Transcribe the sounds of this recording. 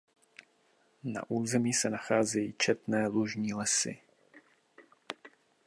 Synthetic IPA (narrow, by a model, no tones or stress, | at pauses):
na̰ʔuːzɛmiːsɛnaxaːzɛjiːt͡ʃɛt̪nɛːluʒɲiːlɛsɪ̰